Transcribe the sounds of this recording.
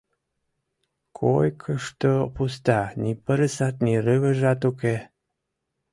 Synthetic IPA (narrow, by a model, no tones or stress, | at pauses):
kʰojkʰəʃt̪opust̪ɑnipəɾəsɑt̪̚nirəβə̆ʒɑt̪uke